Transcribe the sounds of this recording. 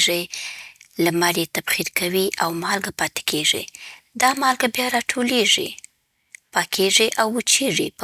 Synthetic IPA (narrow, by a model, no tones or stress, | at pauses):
ʐi | lamaɾet̪abxiɾkawiʔawmɑlɡapɑt̪e̥kʰeʐḭ | d̪ɑmɑlɡabjɑɾɑʈʰoleʐḭ | pɑkʰeʐiʔawːət͡ʃeʐip